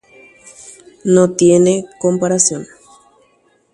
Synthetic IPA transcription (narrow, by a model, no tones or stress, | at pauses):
not̪jenekompaɾasjon